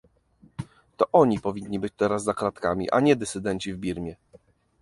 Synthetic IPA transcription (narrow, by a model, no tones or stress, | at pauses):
t̪ɔʔɔɲipɔvʲiɲːibɘt͡ɕt̪ɛɾasːakɾat̪kamʲḭʔa̰ɲɛd̪ɛt̪sɘd̪ɛɲʲt͡ɕivbʲiɾmʲjɛ